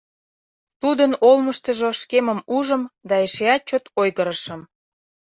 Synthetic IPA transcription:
t̪ud̪ənolməʃt̪əʒoʃkeməmuʒə̆md̪ɑeʃeɑt͡ɕot̪ojɣəɾəʃə̆m

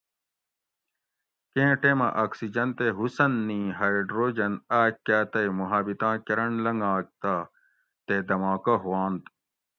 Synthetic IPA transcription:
kẽːʈemɐ̰ʔaːksid͡ʑɐnt̪eɦusɐnːĩːɦajɖɾoːd͡ʑɐnaːkːaːt̪ɐjmuɦaːbit̪ãːkeɾɐɳlɐŋɡãːk̚t̪a | t̪ed̪ɐmãːkɐɦwaːnt̪

